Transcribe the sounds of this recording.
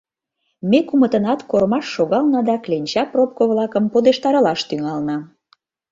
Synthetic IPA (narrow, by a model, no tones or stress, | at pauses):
mekumə̆t̪ə̆nɑt̪koɾmɑʃːoɣɑlnɑd̪ɑklenʲt͡ɕɑprop̚koβlɑkə̆mpod̪eʃt̪ɑɾɤlɑʃt̪yŋɑlnɑ